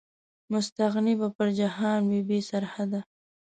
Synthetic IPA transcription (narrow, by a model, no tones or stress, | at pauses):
mʊst̪aɣnibapəɾd͡ʒahɑnwebesaɾhad̪a